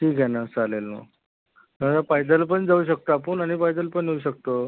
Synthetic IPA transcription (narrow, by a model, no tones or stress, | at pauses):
ʈʰiːkjɛnat͡salelma̰ | t̪ət̪afajd̪əlpəɳd͡zauːɕ̬ək̚t̪aːpəːnaɽ̃ifajd̪əlpəɳjeuɕ̬ək̚t̪o